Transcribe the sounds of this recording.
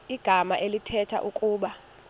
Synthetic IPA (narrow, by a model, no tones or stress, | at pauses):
iɡ̥ʱamaʔelitʰɛtʰa̰ʔukʼuːɓa